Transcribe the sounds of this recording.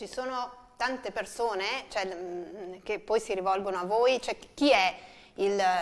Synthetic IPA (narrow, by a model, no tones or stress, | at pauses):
t͡ʃisoːnot̪ant̪epersoːnet͡ʃoɛ | k̟epːɔjsiɾivɔlɡonoavːoːjt͡ʃoɛk̟iɛ | il